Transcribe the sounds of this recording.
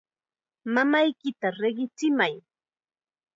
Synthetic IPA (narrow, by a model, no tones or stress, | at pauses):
mamajkɪt̪aɾeɢɪt͡sɪmaj